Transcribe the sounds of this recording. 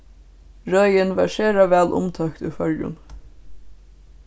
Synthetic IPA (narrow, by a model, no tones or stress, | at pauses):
ɹœjənʋɑːɾʃɛːɾaʋæːlʔʊ̰mt̪ʰœkt̪ṵfœljʊ̰n